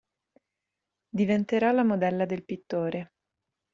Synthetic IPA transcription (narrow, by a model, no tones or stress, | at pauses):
d̪ivent̪eɾalamod̪ɛlːad̪elpit̪ːoːɾe